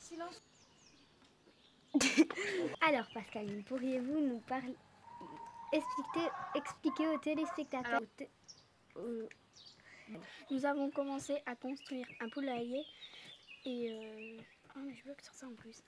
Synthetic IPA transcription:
silɑ̃s | alɔʁpaskalinpuʁjevunupaʁl | ɛkspieɛksplikʲeot̪elespɛk̚t̪at̪ø | o | nuzavɔ̃kɔmɑ̃seʔakɔ̃st̪χɥiʁɛ̃pulaje | eø | amɛʒəvøkə̥syʁsaɑ̃plys

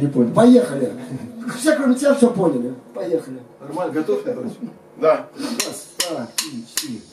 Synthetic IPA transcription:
nʲɪponʲɪlʲpɐjexəlʲɪfsʲakɾomʲɪt̪ʲɪafsʲoponʲɪlʲɪpɐjexəlʲɪnɐrmalʲɡɐt̪ofʲɐt̪o | d̪aasd̪akʲit͡ʃt̪i

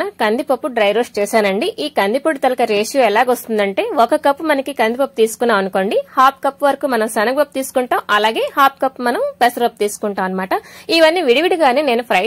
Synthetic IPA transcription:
nɐkɐnd̪ipɐpːuɖɾɐjɾoːst͡ʃɛːʃaːnɐɳɖiʔiːkɐnd̪ipuɽit̪ɐlɐkɐɾeːʂjuɛlaːɡost̪und̪ɐɳʈe̞ːɔkɐkɐpːumɐnɐkikɐnd̪ipɐpːut̪iːsu̥kunːaːmɐnuko̞ːɳɖihaːp̚kɐpːuʋɐɾɐkuːmɐnɐmsɐnɐɡɐp̚t̪iːsu̥kuɳʈaːmʔɐlaːɡe̞ːhaːp̚kɐpːumɐnɐmpesɐɾɐp̚ːt̪iːsu̥kuɳʈaːmɐnːɐmaːʈɐiʋɐnːiʋiɽiʋiɽiɡaːneːne̞ːnupʰɾɐ

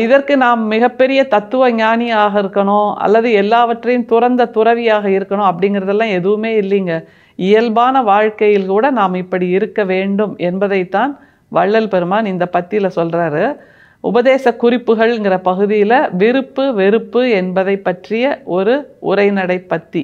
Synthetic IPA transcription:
ɪðɐrkɯnaːmːɪɣɐpːɛɾɪjɐt̪ɐt̪ːɯʋɐɲaːnɪjaːɣɐɪɾɯkːɐɳõːɐ̰lːɐðɯɛlːaːʋɐʈrɐjɯmt̪ʊrɐnd̪ɐt̪ʊrɐʋɪjaːɣɐɪɾɯkːɐɳõɐp̬ːɐɽɪŋɡɪɾɐðɛlːãːɛðɯʋɯmeːɪlːiːŋɡɐ | ɪjɐlbaːnɐʋaːɻkɐjɪlkuːɽɐnaːmɪpːɐɽiɪɾɯkːɐʋeːɳɖɯmɛnbɐðɐɪt̪ːaːn | ʋɐɻːɐlpɛɾɯmaːnɪnd̪ɐpɐt̪ːɪjɪlɐsɔlraːɾɯ | ʊ̰bɐðeːsɐkʊrɪpːɯɣɐɭɪŋɡɪrɐpɐɣɯðɪjɪlɐʋɪɾɯpːɯʋɪɾɯpːɯɛnbɐðɐɪpːɐʈrɪjɐɔɾɯʊ̰ɾɐɪnɐɽɐɪpːɐt̪ːi

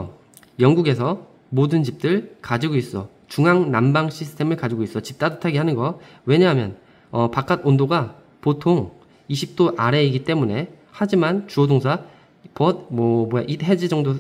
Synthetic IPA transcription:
jʌŋɡuɡe̞s̬ʰʌ | modɯnt͡ɕip̚t͈ɯɭkad͡ʑiɡois͈ʌ | t͡ɕuŋaŋnambaŋɕʰisʰɯ̥tʰe̞mɯɭkad͡ʑiɡois͈ʌt͡ɕip̚t͈adɯtʰaɡiɦanɯnɡʌ | we̞ɲaɦamjʌn | ʌpak͈adondoɡa | potʰoŋ | iɕʰip̚t͈oʔaɾe̞iɡit͈e̞mune̞ | had͡ʑimant͡ɕuodoŋsʰa | pʌd̚mʌmʌjaʔiɦe̞d͡ʑid͡ʑʌŋdo

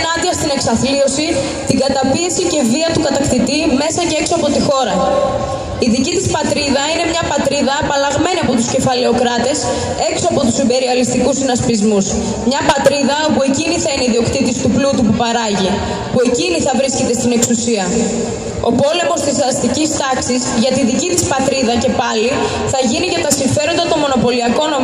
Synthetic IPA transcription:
nɐnd̪iɐst̪ine̞ksɐθlio̞si | t̪iɡɐt̪ɐpie̞sice̞viɐt̪ukɐt̪ɐkt̪it̪ime̞sɐce̞e̞ksoɐpo̞t̪ixo̞ɾɐ | iðicit̪ispɐt̪ɾiðɐine̞mɲɐpɐt̪ɾiðɐːpɐlɐɣme̞niɐpo̞t̪usce̞fɐle̞o̞kɾɐt̪e̞s | e̞kso̞ɐpo̞t̪usimbe̞ɾiɐlist̪ikusinɐspizmus | mɲɐpɐt̪ɾiðɐo̞pue̞ciniθɐiniiðio̞kt̪it̪ist̪uplut̪upupɐɾɐʝi | pue̞ciniθɐvɾisce̞t̪e̞st̪ine̞ksusiɐ | o̞po̞le̞mo̞st̪isɐst̪icist̪ɐksisʝɐt̪iðicit̪ispɐt̪ɾiðɐce̞pɐli | θɐʝiniʝɐt̪ɐsiɱfe̞ɾo̞nd̪ɐt̪o̞mo̞no̞po̞liɐko̞no

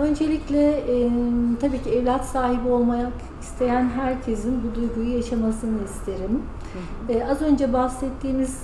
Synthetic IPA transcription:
ø̞nd͡ʒe̞lʲiclʲɛ | t̪ʰabiːcʰiɛvlʲat̪saːɦibio̞lˠmajak | ist̪ʰe̞jænɦæɾcʰe̞zinbud̪ujɡujujaʃamasɯnɯist̪ʰe̞ɾim | ɛːazø̞nd͡ʒɛbahsɛt̪ʰːiːmiz̥

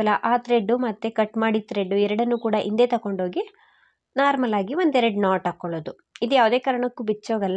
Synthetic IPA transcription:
lɐʔaːt̪ɾeɖːumɐt̪ːekɐʈːmaːɽit̪ɾeɖːuɛɾɐɽɐnːukuːɽɐʔḭnd̪e̞ːt̪ɐko̞ɳɖɦoːɡi | naːɾmɐlaːɡiʋond̪ɛɾɐɽnaːʈakːoɭoːd̪u | id̪ujaːʋud̪e̞ːkaːɾɐɳɐkːubit͡ʃːoːɡɐlː

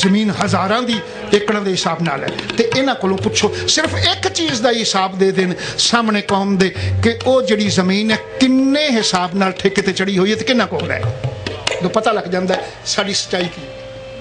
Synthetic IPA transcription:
zəmĩːnɦəzaːɾãːd̪iː | ekɽãːd̪eːɦɪsaːbna̰ːlɛ̰ːt̪eːʔɪnãːkoːlõːpʊtːʃʰoːsɪɾpʰɪkt͡ʃiːzd̪aːɦɪsaːbd̪eːd̪ɪnsaːmɳẽːkɔːmd̪eːkɪʔoːd͡ʒeːɽiːzəmiːnɛːkɪnːẽːɦɪsaːbnaːlʈʰeːket̪eːt͡ʃəɽiːɦoːiːeːt̪eːkɪnːãːkoːnd̪a̰ːɦɛ | d̪õːpət̪aːləɡd͡ʒãːnd̪aːɛː | saːɖiːsə̥tːʃaːiːkiː

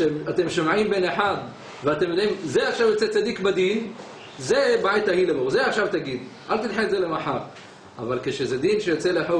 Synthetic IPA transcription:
emat̪e̞mʃomʕimbeneħad̪ | veat̪emjod̪imzeaχʃavjot͡set͡sad̪ikbad̪in | zebait̪ahilemoʁzeaχʃavt̪aɡid̪ | ʔalt̪inħezelemaħaʁ | avalkeʃezed̪inʃejot͡seleħo

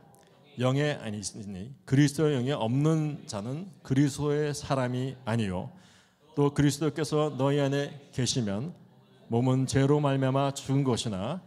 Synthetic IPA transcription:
jʌŋe̞a̰ɲis͈ɲikɯɾisʰdoejʌŋe̞ʔʌmnɯnd͡ʑanɯnkɯɾisʰdoesʰaɾamiaɲijo̰ | t͈okɯɾisʰɯdok͈e̞sʰʌnʌiane̞ke̞ɕʰimjʌn | momɯnt͡ɕe̞ɾomaɭmjamat͡ɕuɡɯnɡʌɕʰina

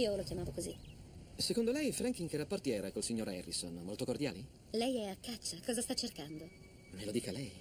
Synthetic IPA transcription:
iːolokjamaːvokozisekond̪olɛjfɾaŋk̟iŋkɛrːapːort̪jɛːɾakolsiɲːoːɾɛrːisonmolt̪okord̪ja̰ːli | lɛjɛakːat͡ʃːakɔːzast̪at͡ʃːerkand̪o | melod̪iːkalɛj

